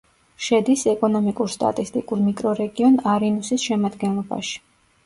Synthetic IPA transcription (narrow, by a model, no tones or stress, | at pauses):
ʃɛd̪isɛkʼɔnɔmikʼuɾst̪ʼa̰t̪ʼist̪ʼikʼuɾmikʼɾɔɾɛɡiɔnaɾinusisʃɛmad̪ɡɛnlˠɔba̰ʃi̥